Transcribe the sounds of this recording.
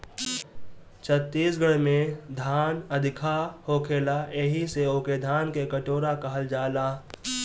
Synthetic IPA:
t͡ʃʰət̪ːiːsɡəɽmẽd̪ʱaːnɐd̪ʱɪkʰahoːkʰeːlaeːɦiseoːked̪ʱaːnkekəʈoːɾakaɦəld͡ʒaːlaː

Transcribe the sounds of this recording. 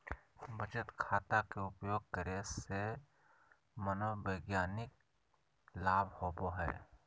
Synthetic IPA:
bʱət͡ʃət̪kʰaːt̪akeʊpjoːɡ̚kəɾese | mənoːbəɪɡjaːnɪk̚ | laːbhoːboɦɛ̰ː

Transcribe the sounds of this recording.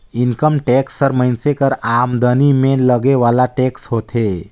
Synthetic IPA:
inkəmʈeksːəɾməɪnsekəɾamd̪ənimeləɡeʋalaʈekshot̪ʰe

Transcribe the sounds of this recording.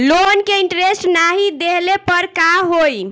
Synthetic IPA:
lonkeiɳʈɾesʈnaɦid̪eɦlepəɾkaɦoj

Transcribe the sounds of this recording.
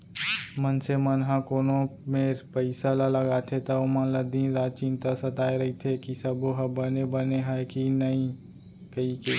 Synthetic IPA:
mənsemənɦãkoːnõmepəɪsalaləɡat̪ʰet̪aomənləd̪iɾaːt͡ʃiːnt̪asət̪aːeɾɐɦit̪ʰekisəboɦəbənebəneɦɛkinəĩ | kəike

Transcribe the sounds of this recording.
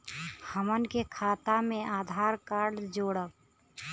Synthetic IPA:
həmənkekʰaːt̪amẽʔaːd̪ʱaːɾkaːɾɖd͡ʒoːɽəb

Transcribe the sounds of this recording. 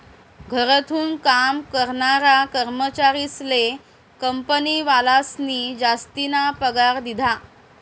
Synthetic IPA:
ɡʱəɾət̪ʰuːnkamkəɾɳaɾakəɾmət͡ɕaɾisle | kəmpəniːʋalasniːd͡ʑast̪inapəɡaɾd̪id̪ʱa

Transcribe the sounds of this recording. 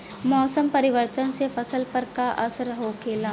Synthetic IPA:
mɔːsəmpɐɾɪʋəɾt̪ənsefɐsəlpəɾkaʔɐ̰səɾɦoːkeːlaː

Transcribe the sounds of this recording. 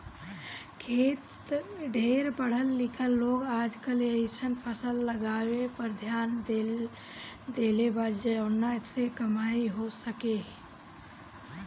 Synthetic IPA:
kʰeːt̪ɖʱeːɾbəɽ̤əlːɪkʰəlːoːɡaːd͡ʒkəleɪsənpʰəsəlːəɡaːwepɐɾd̪ʱjaːnd̪ | d̪eːlebaːd͡ʒd͡ʒənaɪsekɐmaːiɦosəkeː

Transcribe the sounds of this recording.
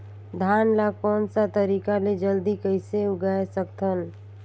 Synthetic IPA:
d̪ʱanlakɔːnsat̪əɾikaled͡ʒəld̪ikəɪseuɡaesəkt̪ʰəl

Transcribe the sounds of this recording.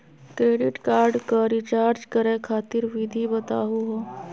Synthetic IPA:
kɾeːɖɪʈkaːɾɖkəɾit͡ʃaːɾd͡ʒkəɾekʰaːt̪ɪɾʋɪd̪ʱibət̪a̰ːɦuɦoː

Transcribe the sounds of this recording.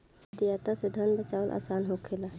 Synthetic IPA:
t̪ijat̪ased̪ʱənbət͡ʃaəlʔa̰ːsanɦokʰela

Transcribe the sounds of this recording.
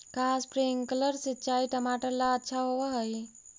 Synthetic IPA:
kaːspɾiŋkələɾset͡ʃaːiʈəmaːʈəɾlaətːʃʰaɦoʋaɦəi

